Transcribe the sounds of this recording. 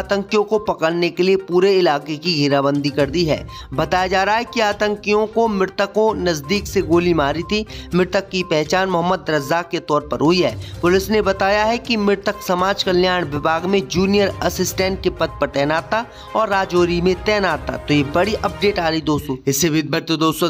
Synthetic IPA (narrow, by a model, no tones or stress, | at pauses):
aːt̪ə̃ŋkijõkopɐkəɽnekeliepuːɾeɪlaːkekiɡʱiɾabə̃nd̪ʱikɐɾd̪iɦɛ̰ː | bɐt̪aːjad͡ʒaːɾaːɦɛkiaːt̪ə̃ŋkijõkomɪɾt̪əkõnɐzd̪iːkseɡoːlimaːɾit̪ʰimɪɾt̪əkːipɛɦt͡ʃaːnmʊɦəmːəd̪ɾɐzaːkːet̪ɔːɾpɐɾɦʊiɦɛːpʊlɪsnebɐt̪aːjaɦɛkimɪɾt̪əksɐmaːd͡ʒkɐljaːɽ̃ʋɪbʱaːɡmẽd͡ʒuːnijəɾɐsɪsʈɛ̃ːɳʈ̚kepɐt̪̚pɐɾt̪ɛːnaːt̪a | ɔːɾːaːd͡ʒoːɾimẽt̪ɛːnaːt̪a̰t̪ojebɐɽiʔɐp̚ɖeːʈaːɾəid̪oːst̪oːɪsebʱɪd̪̚bəɾt̪od̪oːst̪õ